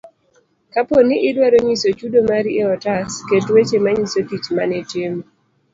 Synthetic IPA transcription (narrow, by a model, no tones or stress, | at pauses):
kaponɪʔɪdwaɾoɲisot͡ʃudomaɾieɔtasketwet͡ʃemaɲisotit͡ʃmanɛt͡ʃem